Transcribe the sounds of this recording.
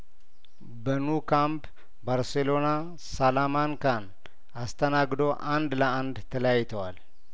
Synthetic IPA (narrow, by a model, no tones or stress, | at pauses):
bənukʰamp | baɾselo̞na | salamankan | ast̪ʰənaɡd̪o̞ʔand̪ləʔand̪t̪ʰələjajːt̪ʰəwal